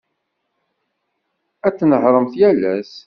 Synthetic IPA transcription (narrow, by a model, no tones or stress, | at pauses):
æt͡sːnəhɾˤəmθjælæs